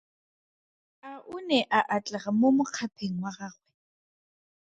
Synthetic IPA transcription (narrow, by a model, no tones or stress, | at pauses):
aʔunɛʔaʔat͡ɬʼɛχamomʊq͡χʰapʰeŋ̩waɣaːχwɛ